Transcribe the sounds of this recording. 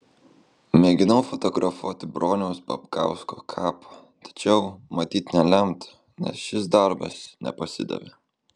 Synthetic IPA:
mʲɛːɡʲɪnɐʊfɔt̪ɔɡɾʔɐfuɔt̪ʲɪbɾoːnʲɛʊspɐ̰pkɑ̰ˑʊskoːkʰɑːpʰɐ | t̪ɐ̥t͡ʃʲɛʊmɐt̪ʲiːt̪nʲɛlʲɛmʲt̪ | nʲɛ̰sʃʲɪsd̪ɐɾbɐ̰snʲɛ̰pɐsʲɪ̰d̪ɐ̰ʋʲeː

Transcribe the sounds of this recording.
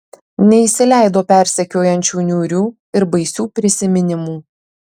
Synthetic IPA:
nʲɛɪsʲɪlʲæˑɪd̪oːpʲæˑɾʲsʲɛkʲoːjɛnʲt͡ʃʲuːnʲuːɾʲuː | ɪɾbɐɪsʲuːpʲɾʲɪsʲɪmʲɪnʲɪmuː

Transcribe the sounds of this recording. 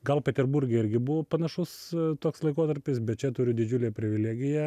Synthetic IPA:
ɡɐlˠpʲɛt̪ʲɛɾbʊɾʲɡʲeɪɾʲɡʲɪbʊʋoːpɐnɐʃʊst̪oːkslˠɐɪkoːt̪ɐɾʲpʲɪsbʲɛt̪̚t͡ʃʲɛt̪ʊɾʲɪd̪ʲɪd͡ʒʲʊlʲeːpʲɾʲɪʋʲɪlʲæːɡʲɪjɛ

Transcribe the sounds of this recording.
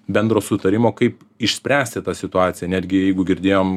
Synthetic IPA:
bʲɛnd̪ɾoːsʊt̪ɐɾʲɪmoːkɐɪp | ɪʃʲsʲpʲɾʲæːsʲt̪ʲɪt̪ɑːsʲɪt̪ʊɑːt̪sʲɪjɛnʲæːd̪ʲɡʲɪjɛɪɡʊɡʲɪɾʲd̪ʲeːjoːm

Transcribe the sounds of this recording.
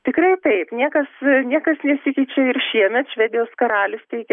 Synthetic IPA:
t̪ʲɪkɾɐɪt̪ɐɪpnʲiɛkɐsnʲiɛkɐsnʲɛsʲɪkʲɛɪt͡ʃʲɛɪrʃʲiɛmʲɛt̪ʃʲʋʲɛd̪ʲɪjoːskɐɾɑːlʲɪst̪ʲɛɪkʲɛ

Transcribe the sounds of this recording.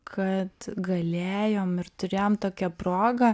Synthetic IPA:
kʰɐt̪ɡɐlʲeːjoːmɪɾt̪ʊɾʲeːjoːmt̪oːkʲɛpɾoːɡɐ

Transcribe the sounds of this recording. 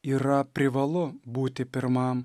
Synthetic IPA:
iːɾɐpʲɾʲɪʋɐlˠʊbuːt̪ʲɪpʲɪɾmɐm

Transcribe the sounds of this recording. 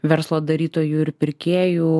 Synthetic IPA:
ʋʲɛɾslˠoːd̪ɐɾʲiːt̪oːjuɪɾpʲɪɾʲkʲeːjuː

